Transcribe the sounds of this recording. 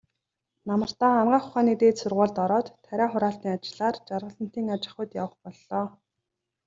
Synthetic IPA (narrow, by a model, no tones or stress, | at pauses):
namə̆r̥t̪aːanɢaːχʊ̥χaːniːt̪eːt̪sʊrʁʊːɮt̪ɔɾɔːt̪ʰːæɾʲæːχʊɾaːɬt̪iːŋat͡ɕɪ̆ɮaːrt͡ɕarʁə̆ɮə̆n̥t̪iːŋat͡ɕɪ̆χʊ̆t̪ja̰wə̆χpɔɮːɔː